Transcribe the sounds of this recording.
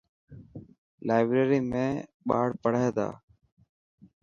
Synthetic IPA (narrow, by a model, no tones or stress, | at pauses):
laːɪbɾeːɾiːmẽːɓa̰ːɽpəɽ̤aːd̪a̰ː